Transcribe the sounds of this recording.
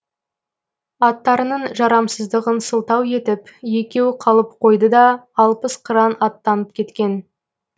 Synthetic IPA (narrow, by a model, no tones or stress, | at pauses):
ɑt̪ːɑɾənəɴʒɑɾɑmsəzd̪əʁənsəlˠt̪ɑwe̞t̪ɪpje̞kʲe̞wqʰɑlˠəp̚qʰo̞jd̪əd̪ɑːlˠpəsqʰəɾɑnɑt̪ːɑnəp̚kʲʰe̞t̪kʲe̞n